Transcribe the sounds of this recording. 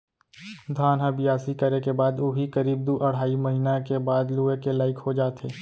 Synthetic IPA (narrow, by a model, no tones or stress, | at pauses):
d̪ʱaːnɦabɪjaːsikɐɾekebaːd̪oɦikɐɾiːb̚d̪uʔɐɽ̤aːimɐɦiːnakebaːd̪luːekelaːɪkhod͡ʒaːt̪ʰeː